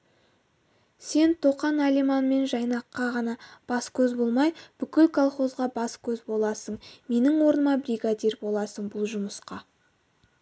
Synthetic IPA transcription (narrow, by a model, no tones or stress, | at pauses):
se̞nt̪ʰo̞qɑnalimɑnme̞nʒɑjnɑqːɑʁɑnɑb̥ɑskʲʰɵzbo̞lˠmɑjb̥ʏkʲɪlkʰolˠχo̞zʁɑbɑskʲʰɵzbo̞lˠɑsəɴme̞nɪŋwo̞ɾənəmɑbɾijɡad̪ʲeɾbo̞lˠɑsəɴbʊlˠʒʊməsqɑ